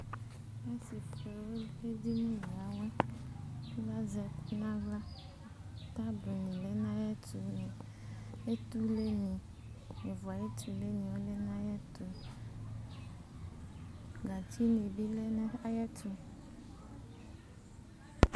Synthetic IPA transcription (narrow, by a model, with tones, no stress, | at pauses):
me˦si˨tɾe˨wu˦le˦di˦nĩ˦˨a˨wã˦ | ɡa˦zɛ˨pnã˦ɡa˦ | t̪a˦bo˨nĩ˨le˦nã˦jɛ˦tu˨nẽ˨ | e˦t̪u˦le˦ɲĩ˨ | me˨vu˨a˨jɛ˦t̪ʰu˨le˦ɲĩ˨wo˦le˦nã˦jɛ˦t̪u˨ | ɡa˨t͡ɕʰi˦nẽ˨bi˦le˦n˦a˦jɛ˦tʰu˨